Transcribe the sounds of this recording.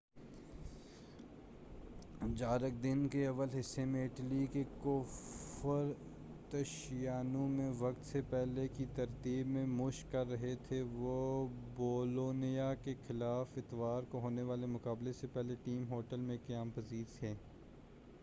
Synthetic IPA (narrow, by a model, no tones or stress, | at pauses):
d͡ʒaːɾək̚d̪ɪnkeɐʋəlɦɪsːemẽɪʈlikekofəɾ | t̪ɐʃjaːnũmẽʋɐkt̪sepɛɦlekit̪ɐɾt̪iːbmẽmʊʃkɐɾːɐɦet̪ʰeʋoboːloːnijakexɪlaːfɪt̪ʋaːɾkoɦoːneʋaːlemʊkaːblesepɛɦleʈiːmɦoːʈəlmẽkɐjaːmpɐziːɾt̪ʰeː